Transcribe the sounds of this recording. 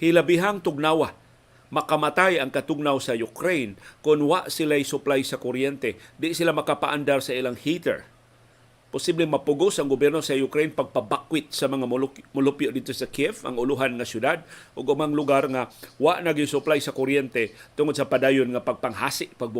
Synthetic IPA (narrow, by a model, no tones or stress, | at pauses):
hɪlabiɦaŋt̪ʊɡ̚nawa | mɐkamat̪ajaŋkat̪ʊɡ̚nawsajʊkɾejnkʊnwaʔsɪlajsʊplajsakʊɾjɛnt̪ɛd̪ɪʔsilamakapaʔand̪aɾsailaŋhit̪ɛ̰ɹ | pʊsiblɪŋmɐpʊɡʊsʔaŋɡʊbjɛɾnosajʊkɾejnpaɡ̚pabakwɪt̪̚samɐŋamʊlʊpjod̪ɪd̪̚t̪osakiɛfa̰ŋʊluɦanŋasjʊd̪ad̪̚ʔʊɡamaŋlʊɡaɾŋawaʔnaɡɪŋsʊplajsakʊɾjɛnt̪ɛt̪ʊŋod̪̚sapad̪aːjonŋapaɡ̚paŋɦasɪʔpaɡ̚b